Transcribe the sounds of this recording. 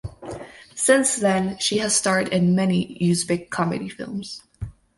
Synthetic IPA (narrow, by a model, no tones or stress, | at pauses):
sɪ̃nsðɨ̃nʃiɨz̥stɑɹɨɾɪ̃nmɛnijʉzbɪkʰɑmɨ̰ɾifɪ̰lˠmz̥